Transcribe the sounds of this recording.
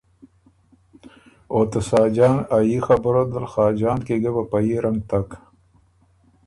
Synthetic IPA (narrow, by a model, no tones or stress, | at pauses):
oːt̪ɐsaːd͡ʒaːnajixɐbəɾod̪əlxaːd͡ʒaːnkeɡebɐpajiɾɐŋɡ̚t̪ɐk